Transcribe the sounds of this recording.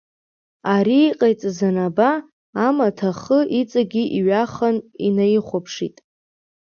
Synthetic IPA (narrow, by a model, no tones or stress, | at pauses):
aɾiːqʼajt͡sʼzanabaː | matʰaχəʔit͡sʼaɡʲiʔiɥaχanḭnajiχʷapʰʂḭtʼ